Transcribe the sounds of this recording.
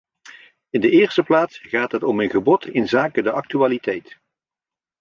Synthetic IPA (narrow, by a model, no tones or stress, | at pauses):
ɪndəʔɪːɹstəplaːtsχaːtɦətɔmənχəbɔtɪnzaːkədəʔɑk̚tyaːlitʰɛjt